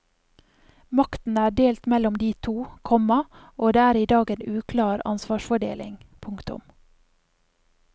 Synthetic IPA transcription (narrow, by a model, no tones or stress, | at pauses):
mɑkt̪n̩æːɖeːlt̪mɛlɔmd̪iːt̪ʰuːkʰɔmɑʔoːd̪eːæːɾiːd̪ɑːɡeːnʉːkʰlɑːɾɑ̰nsʋɑːʃfɔɖḛːlɪ̰ŋpʰʊŋkt̪ʊ̰m